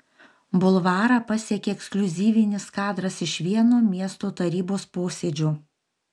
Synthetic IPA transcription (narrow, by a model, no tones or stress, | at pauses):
bʊlˠʋɑːɾɑpɐsʲiɛkʲeːɛksklʲʊzʲiːʋʲɪnʲɪskɑːd̪ɾɐsɪʃʋʲiɛnuːmʲiɛst̪oːt̪ɐɾʲiːboːspoːsʲeːd͡ʒʲuː